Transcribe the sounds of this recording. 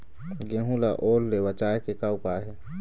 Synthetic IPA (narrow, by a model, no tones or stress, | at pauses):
ɡẽɦũlaʔoːlːewat͡ʃaːekekaʊpaːɦe